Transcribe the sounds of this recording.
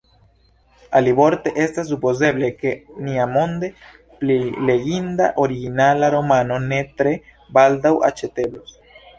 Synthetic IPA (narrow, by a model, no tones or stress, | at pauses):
alibo̞ɾt̪e̞ʔe̞stas̬ːupo̞ze̞ble̞ke̞niamo̞nd̪e̞ | plile̞ɡind̪a̰ʔo̞ɾiɡinalaɾo̞mano̞ne̞t̪ɾe̞ | bald̪awa̰t͡ʃe̞t̪e̞blos